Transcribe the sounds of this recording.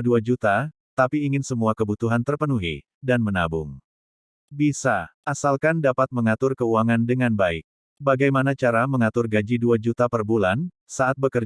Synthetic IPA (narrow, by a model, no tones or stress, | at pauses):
duad͡ʒut̪a | t̪apiːŋɪnsəmuakəbut̪uɦant̪ərpənuɦḭ | danmənabʊm | bisaʔːasalkandapat̪̚məŋat̪ʊrkəuaŋandəŋanbaɪk̚ | baɡajmanat͡ʃaɾaməŋat̪ʊrɡad͡ʒiduad͡ʒut̪apərbulan | saʔat̪̚bəkər